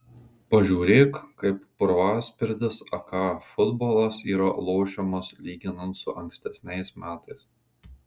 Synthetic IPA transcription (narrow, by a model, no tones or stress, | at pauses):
pɐʒʲuːɾʲeːkkːɐɪpːʊɾʋɑːsʲpʲɪɾʲd̪ʲɪsɐkɑːfʊd̪boːlˠɐsiːɾɐlˠoːʃʲɛmɐslʲiːɡʲɪnɐnt̪sʊʔɐŋʲksʲt̪ʲɛsʲnʲɛɪsmʲæːt̪ɐɪs